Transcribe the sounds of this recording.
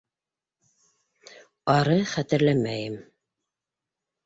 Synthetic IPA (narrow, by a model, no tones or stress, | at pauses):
ɑɾɤχæt̪ɘ̆ɾlæmæjɘm